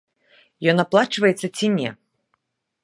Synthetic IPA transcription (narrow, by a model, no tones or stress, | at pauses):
jɔnaplˠat͡ʂvɐjɛt̪sːɐt͡sʲinʲɛ̰